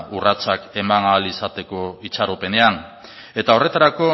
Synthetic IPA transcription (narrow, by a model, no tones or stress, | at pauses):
urat͡sake̞manalisat̪e̞ko̞it͡saɾope̞ne̞an | e̞t̪ao̞re̞t̪aɾako̞